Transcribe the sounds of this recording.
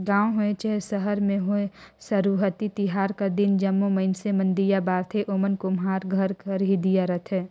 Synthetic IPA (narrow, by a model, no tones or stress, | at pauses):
ɡãːõɦoẽt͡ʃaɦesəɦəɾmẽɦoesɐɾuːɦət̪it̪ɪɦaːɾkɐd̪ɪnd͡ʒɐmːomɐɪnsemə̃nd̪ijabaːɾt̪ʰeʔoːmənkomɦaːɾɡʱəɾkəɾɦid̪ijaɾɐt̪ʰɛː